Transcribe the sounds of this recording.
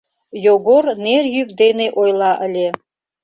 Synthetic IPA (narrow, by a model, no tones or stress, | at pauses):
joɡoɾnerjyk̚d̪eneʔojlˠɑʔə̆lʲe